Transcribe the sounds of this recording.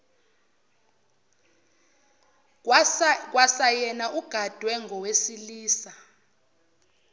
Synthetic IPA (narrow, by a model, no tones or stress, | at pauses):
k̬ʼwasajɛnaʔuɡ̥ʱad̥ʱwɛŋɡʱɔwesiliːsa